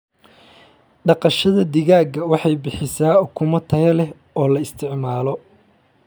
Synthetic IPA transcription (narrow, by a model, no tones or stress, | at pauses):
ɖɑqɑʃɐðɐd̪ɪɣaːɡɐwɑħɑjbɪħɪsaːʊkʰʊmɐt̪ʰɐɣɐlɛh | ɔːlɐɪst̪ʰɪʕmaːlɔ